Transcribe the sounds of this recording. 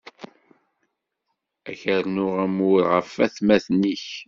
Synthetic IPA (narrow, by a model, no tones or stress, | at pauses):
æçəɾnʊʁæmʊɾʁəfːæθmæθniç